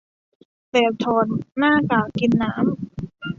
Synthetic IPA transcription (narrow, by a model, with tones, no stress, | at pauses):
t̪eː˨˩w̚t̪ʰɔː˨˩nːaː˥˩kaː˨˩ki˧nːaː˦˥m